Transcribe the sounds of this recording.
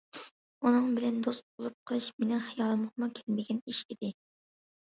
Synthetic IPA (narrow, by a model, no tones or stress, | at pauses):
unɨŋbɪlɛnd̪ost̪̚bolˠup̚qʰəlˠɨʃmenɪŋχɨjɑːlˠmʊχmʊkʲʰɛ̥lmɪɡʲɛniʃid̪̥ɪ